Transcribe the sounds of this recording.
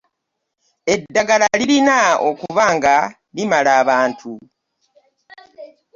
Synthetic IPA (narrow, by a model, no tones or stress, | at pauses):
e̞dːaɡalaliɾinao̰kuvaːŋɡa | limalaːβaːntʰu